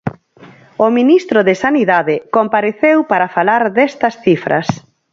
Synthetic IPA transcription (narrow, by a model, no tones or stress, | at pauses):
ʊminist̪ɾʊðɪsaniðaðɪkompaɾeθewpaɾɐfalaɾðɛst̪ɐsθifɾʔɐ̰s